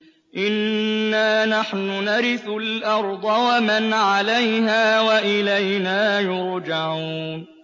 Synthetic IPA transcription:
ʔɪnːaːnaħnʊnaɾɪθʊlʔɑɾˤd̪ˤɑwamanʕalajhaːwaʔɪlajnaːjʊɾd͡ʒaʕuːn

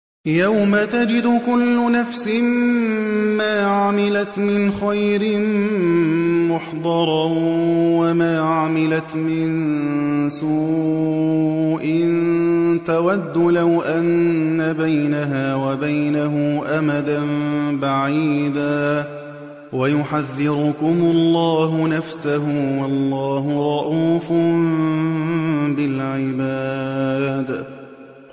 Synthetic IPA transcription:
jawmat̪ad͡ʒɪd̪ʊkʊlːʊnafsɪmː | aːʕamɪlat̪mɪnxajɾɪn | mʊħd̪ˤɑɾˤɑ | wamaːʕamɪlat̪mɪn | suː | ʔɪnt̪awad̪ːʊlawʔanːabajnaɦaːwabajnaɦʊʔamad̪anbaʕiːd̪aː | wajʊħaðːɪɾʊkʊmʊlˤːɑːɦʊnafsaɦʊwɑlˤːɑːɦʊɾˤɑʔuːf | bɪlʕɪbaː | d̪

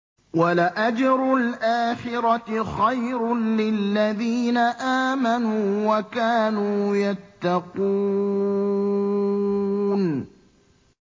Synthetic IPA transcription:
walaʔad͡ʒɾʊlʔaːxɪɾɑxajɾʊlɪlːaðiːnaʔaːmanuːwakaːnuːjat̪ːɑquː | n

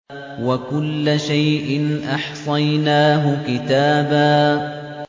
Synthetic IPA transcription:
wakʊlːaʃajʔɪnʔɑħsˤɑjnaːɦʊkɪt̪aːbaː

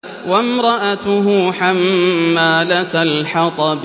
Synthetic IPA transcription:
wamɾˤɑʔat̪ʊɦʊːħamːaːlat̪lħɑt̪ˤɑb

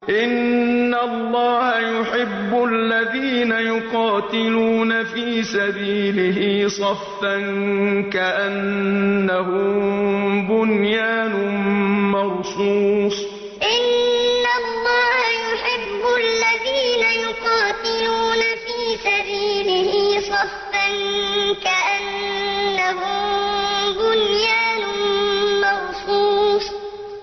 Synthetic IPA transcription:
ʔɪnːalˤːɑːhajʊħɪbːʊʔlːaðiːnajʊqɑːt̪ɪluːnafiːsabiːlɪɦɪsˤɑfːankaʔanː | ahʊm | bʊnjaːnʊmɑɾsuːsˤ | ʔɪnːalːɑːhajʊħɪbːʊʔalːaðiːnajʊqɑːt̪ɪluːnafiːsabiːlɪhɪsˤɑfːankaʔanː | aɦʊmbʊnjaːnʊmɑɾsuːsˤ

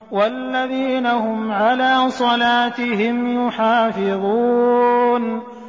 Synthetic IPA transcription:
walːaðiːnahʊmʕalaːsˤɑlaːt̪ɪɦɪmjʊħaːfɪðˤuː | n

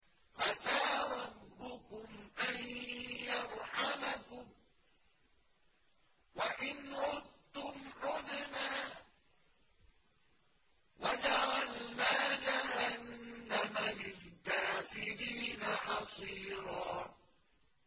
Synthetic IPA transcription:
ʔasaːɾˤɑbːʊkʊmʔanjɑɾˤħamakʊm | waʔɪnɾʊd̪̚t̪ːʊmʕʊðnaː | wad͡ʒaʕalnaːnaɦhanːamanɪlkaːfɪɾiːnaħɑsˤiːɾɑː

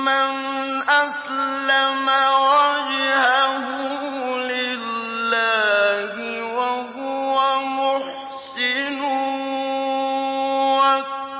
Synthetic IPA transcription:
man | ʔas | lamawad͡ʒɪhaɦʊlɪːaːɦɪ | waɦʊwamʊħ | sɪnʊ | wa

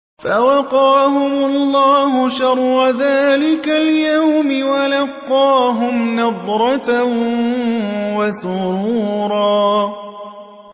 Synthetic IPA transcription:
fawɑqɑːɦʊmʊlˤːɑːhʊʃɑɾˤːaðaːlɪkaljawmɪwalɑqːɑːɦʊmnɑd̪ˤɾˤɑt̪a | wasʊɾuːɾˤɑː

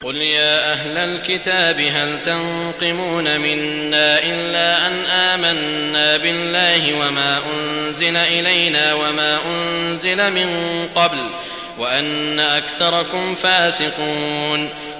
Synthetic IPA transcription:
qʊljaːʔaɦlalkɪt̪aːbɪɦalt̪an | qɨmuːnamɪnːaːʔɪlːaːʔanʔaːmanː | aːbɪlːaːhɪwamaːʔʊnzɪlaʔɪlajnaːwamaːʔʊnzɪlamɪnqɑbl | waʔanːaʔakθɑɾˤɑkʊmfaːsɪquːn

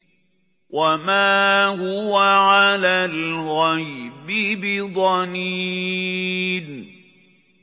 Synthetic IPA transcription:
wʔamaːhʊwaʕalaːllɣajbɪbɪd̪ˤɑni | n

